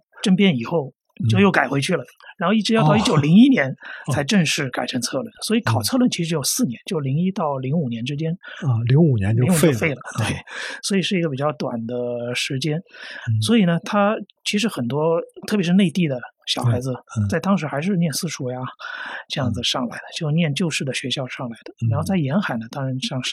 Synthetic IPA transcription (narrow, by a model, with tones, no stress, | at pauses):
ʈ͡ʂə˥npjɛ˥ni˨˩xo˥˩ʊ | t͡ɕjo˥˧ʊjo˥˩ʊka˨˩xwe˧˥ɪt͡ɕʰy˥˩lə˩ɻa˧˥nxo˥˧ʊi˥˩ʈ͡ʂɻ̩˧˥jt̪ɑ˥˧i˥t͡ɕjo˨˩ʊli˧˥ŋi˥njɛ˧˥nʰa˧˥ɪʈ͡ʂə˥˧ŋʂɻ̩˥˩ka˨˩ɪʈ͡ʂʰə˧˥ŋt͡sʰɤ˥˧lwə˥˩nswɔ˧˥i˧˥kʰɑ˨˩ʊt͡sʰɤ˥˧lwə˥˩nt͡ɕʰi˧˥ʂɻ̩˧˥jo˨˩sɹ̩˥˩njɛ˧˥nt͡ɕjo˥˩ʊli˧˥ŋi˥t̪ɑ˥˩ʊli˧˥ŋu˨˩njɛ˧˥nʈ͡ʂɻ̩˥t͡ɕjɛ˥nli˧˥ŋu˨˩njɛ̰˧˦ni˧˥˨o˥˧fe˥˩ɪlə˩t̪we˥˩ɪswɔ˧˥i˨˩ʂɻ̩˥˩i˧˥ɡə˧pi˨˩t͡ɕjɑ˥˩ʊt̪wa̰˨˩nd̪ə˦ʂɻ̩˧˥t͡ɕjɛ˥nswɔ˧˥i˨˩nə˦t̪ʰa˥ | t͡ɕʰi˧˥ʂɻ̩˧˥xə˨˩nt̪wɔ˥t̪ʰɤ˥˩p̬jʂɻ̩˥˧ne˥˧ɪt̪i˥˩d̪ə˩ɕjɑ˨˩ʊxa˧˥ɪd͡zɹ̩˧t͡sa˥˩ɪt̪ɑ˥ŋʂɻ̩˧˥xa˧˥ɪʂ̬ɻ̩˥˧njɛ˥˩nsɹ̩˥ʂʰu˥ja˧ʈ͡ʂɤ˥˧jɑ˥˩ŋd͡zɹ̩˩ʂɑ˥˩ŋla̰˧˥ɪd̪ə˧t͡ɕjo˥˧ʊnjɛ˥˧nt͡ɕjo˥˧ʊʂɻ̩˥˩d̪ə˩ɕɥɛ˧˥ɕjɑ˥˧ʊʂɑ˥˩ŋla˧˥ɪd̪ə˧ɻɻa˧˥nxo˥˧t͡sa˥˩ɪjɛ˧˥nxa˨˩ɪnə˦t̪ɑ˥ŋɻa˧˥nʂɑ˥˩ŋʂ̩˥˩